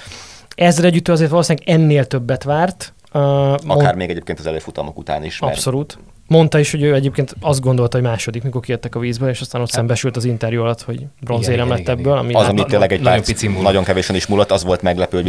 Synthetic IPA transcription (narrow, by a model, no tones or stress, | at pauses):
ɛzːɛlɛɟyt̪ːøːɒzeːrt̪ʋɒloːsinɛɡɛnːeːlt̪ø̞bːɛt̪ʋaːrt̪ː | ɒokaːrmeːɡɛɟeːp̚keːnɒzɛleːfut̪ɒnokut̪a̰ːniʃɒpso̞luːt̪ | mo̞nt̪ɒiʃho̞ɟøːɛɟeːp̚keːnt̪ɒzd̪ɡo̞nd̪o̞lt̪ɒɦomaːʃo̞d̪ikmiko̞rkijɛt̪ːɛkɒviːzbøːleːʃɒst̪aːno̞t̪sɛmbɛʃylt̪ɒzint̪ɛrjuɒlɒt̪ho̞ɟbro̞nzeːɾɛmlɛt̪ːɛbːøːlɒ̰mizɒmit̪eːnlɛɡɛɟ̪opit̪simunɒɟoŋkɛveːʃɛniʃmuːlːɔt̪ːɒzʋo̞lt̪mɛɡlɛpøː